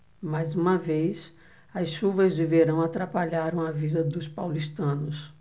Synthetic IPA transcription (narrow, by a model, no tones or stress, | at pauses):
majzũmɐvejs | ɐsʃuvɐzd͡ʒiveɾɐ̃w̃at̪ɾapaʎaɾɐ̃w̃ɐvid̪ɐd̪ʊspawlist̪ɐ̃nʊs